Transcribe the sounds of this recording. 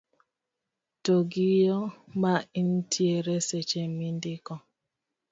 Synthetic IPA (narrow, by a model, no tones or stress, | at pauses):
toɡijɔmaintʰieɾeset͡ʃemindikɔ